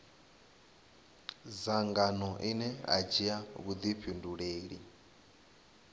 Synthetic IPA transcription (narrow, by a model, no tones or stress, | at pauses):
zaŋɡanɔʔinɛa̰d͡ʒiaβud̪ipʰinduɺeːɺḭ